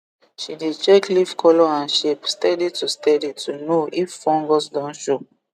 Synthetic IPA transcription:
ʃidet͡ʃɛklifkʰɔlɔãnʃepstɛditustɛditʰunoʔifːɔ̃ŋɡɔsdɔ̃nʃo

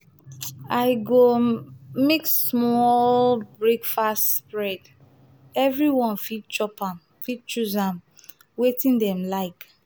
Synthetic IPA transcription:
aɪɡomeksmɔlbɹekfastspɹɛd | ɛvɹiwɔ̃nfit̚t͡ʃɔpãm | fit̚t͡ʃuzãm | wetĩndɛ̃mlaɪk

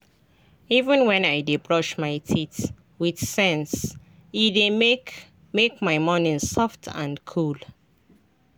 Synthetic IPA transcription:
ivə̃nwɛ̃naɪdebɹɔʃmaɪtʰit | wiθsɛ̃ns | ide | mekmaɪmɔnĩnsɔftʰã̰nkʰul

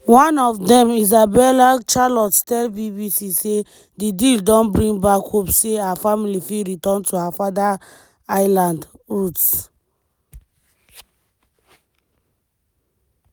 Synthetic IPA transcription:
wɔ̃nɔfdɛ̃mizabɛlat͡ʃalɔtstɛlbibisise | didildɔ̃nbɹĩŋbakhopseaafamilifiɹitɔ̃ntʰuafada | aɪlãndɹuts

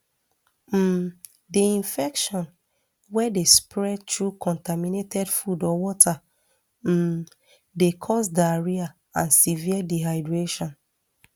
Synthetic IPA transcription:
m̩ | deĩnfɛkʃɔ̃n | wɛdespɹɛdtɹukʰɔ̃ntaminetɛdfudɔwɔtʰa | m̩ | dekʰɔsdaɹia | ãnsiviadiɦaɪdɹeʃɔ̃n

